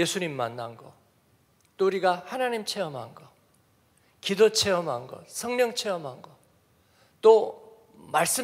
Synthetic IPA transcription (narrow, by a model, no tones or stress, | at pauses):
je̞sʰuɲimːanːanɡʌ̰ | t͈ouɾiɡahanaɲimt͡ɕʰe̞ʌmɦanɡʌ | kidot͡ɕʰe̞ʌmɦanɡʌ̰sʰʌŋɲʌŋt͡ɕʰe̞ʌmɦanɡʌ | t͈o | maɭs͈ɯ